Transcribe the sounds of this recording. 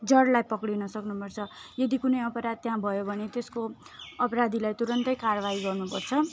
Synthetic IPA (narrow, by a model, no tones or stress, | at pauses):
d͡zʌɽlajpʌkɽinʌsʌknupʌrt͡sʰʌjʌd̪ikunʌjʌpʌɾad̪̚t̪jɦãbʱʌjobʱʌnet̪eskoʌpʌɾad̪ʱilajt̪uɾʌnt̪ʌjkarʌβaɦiɡʌrnupʌrt͡sʰʌ